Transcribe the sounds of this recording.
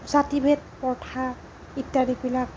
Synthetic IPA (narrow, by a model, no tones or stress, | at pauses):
zatibet̚pɔɹtʰa | itːadibilak̚